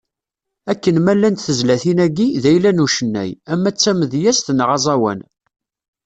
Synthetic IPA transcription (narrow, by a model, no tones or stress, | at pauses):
ækːənmælːænt̪θəzlæθinæɡiðæjlænuʃənːæ̰jæmːæt͡sːæməðjæst̪nʁɑzˤɑwæ̰n